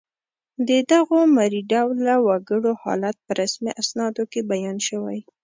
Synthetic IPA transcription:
d̪əd̪aɣomaɾiɖawlːawaɡəɽohɑ̰lat̪̚pəɾasmḭʔasnɑd̪okebajɑnʃəwaj

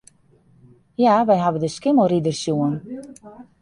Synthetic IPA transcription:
jaʋɛjɦavədəskɪmoɾidərsjuən

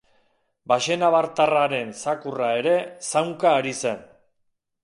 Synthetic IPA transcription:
baʃe̞naβaɾt̪araɾe̞nsakurae̞ɾe̞sawŋkaːɾise̞n

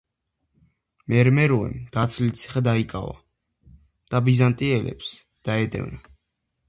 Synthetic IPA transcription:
mɛɾmɛɾɔɛ̰md̪̥at̪sʰlit̪sʰi̥χɛd̪aikʼa̰va̰ | d̪̥abizant̪ʼiɛlɛ̰ps | d̪̥aɛd̪ɛ̰vna

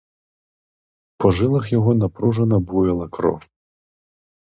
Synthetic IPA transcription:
pɔʐɨlˠɐxjaɣɔnɐpɾuʐɐnɐbujɛlˠɐkɾɔ̰f

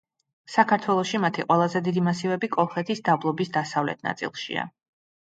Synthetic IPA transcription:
sakʰaɾt̪ʰwɛlˠɔʃimat̪ʰiqʼwɛlˠazɛd̪id̪imasivɛbikʼɔlˠχɛt̪ʰisd̪ablˠɔbisd̪asavlɛ̰t̪ʰna̰t̪sʼḭlˠʃḭa̰

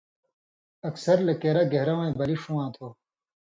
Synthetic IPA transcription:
ɐksɐɾlɐkeːɾɐɡeɦɾɐwɐ̃ĩbɐliʂuwãːt̪ʰoː

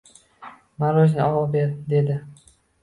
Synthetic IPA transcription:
maɾoʃnɪɒʁɒbeɾd̪e̞d̪ɪ

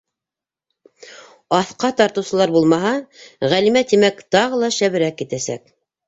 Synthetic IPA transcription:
ɑθqɑt̪ɑɾt̪ɤ̆wsɤ̆lˠɑɾbulˠmɑɦɑʁælimæt̪imækt̪ɑʁɤlˠɑʃæβɘ̆ɾækjɘt̪æsæ̰k̚

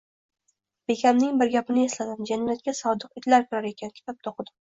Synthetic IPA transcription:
b̥e̞kʲʰamnɪŋbɪɾɡʲapɪnɪe̞slad̪ɪmd͡ʒanijat̪̚kʲasɒd̪ɨqɪt̪ʰlaɾkʰʊɾaɾe̞kʲʰankʲʰɪ̥t̪ʰap̚t̪ʰoqʰd̪ɪ

